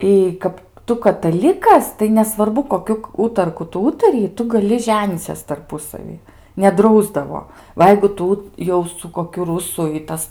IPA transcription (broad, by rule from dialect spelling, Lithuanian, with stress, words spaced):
iː ˈkɐp ˈtʊ kɐtɐˈlʲɪkɐs tɐɪ nʲɛsʋɐrˈbʊ koːˈkʲʊ ˈuːtɐrkʊ ˈtʊ ˈuːtɐrʲɪjɪ ˈtʊ ɡɐˈlʲɪ ˈʒʲæːnʲiːt͡sʲɛs tɐrˈpʊsɐʋʲiː nʲɛˈdrɐʊzdɐʋoː ˈʋɐ jɛɪɡʊ ˈtʊ jɛʊ sʊ koːˈkʲʊ ˈrʊsʊ ɪ ˈtɐs